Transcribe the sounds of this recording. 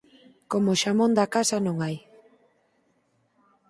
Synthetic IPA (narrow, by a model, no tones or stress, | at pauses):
komʊʃamõnd̪akasɐnõŋaj